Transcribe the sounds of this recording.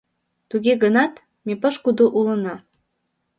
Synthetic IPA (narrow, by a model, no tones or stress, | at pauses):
t̪uɣeɣənɑt̪ | mepəʃkud̪uʔulə̆nɑ